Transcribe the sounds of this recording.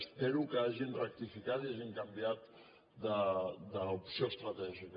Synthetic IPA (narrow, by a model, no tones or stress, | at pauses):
speɾukəaʒinrək̚t̪ifikat̪iaʒiŋkambiat̪ | d̪əd̪əupsiost̪ɾət̪ɛʒikə